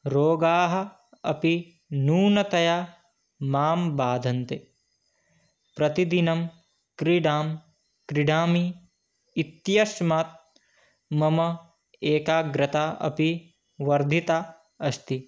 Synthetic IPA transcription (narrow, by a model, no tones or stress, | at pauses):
ɾoːɡaːɦɐ̆ | ɐ̰pi | nuːnɐt̪ɐja | maːmbaːd̪ʱɐnt̪e | pɾɐt̪id̪inɐm | kɾiɖaːm | kɾiɖaːmiː | t̪jɐʃmaːt̪̚ | mɐmɐ | eːkaːɡɾɐt̪aːɐ̰pi | ʋɐɾd̪ʱit̪a | ɐst̪i